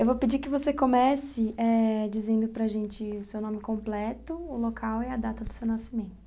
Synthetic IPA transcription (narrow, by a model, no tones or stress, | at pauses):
ewvopɪd͡ʒikɪvosekomɛsɪɛd͡ʒizẽnd̪ʊpɾɐʒẽnt͡ʃɪʊsewnõmɪkõmplɛt̪ʊʊlokʰawɛɐd̪at̪ɐd̪ʊsewnasimẽnt̪ʊʊ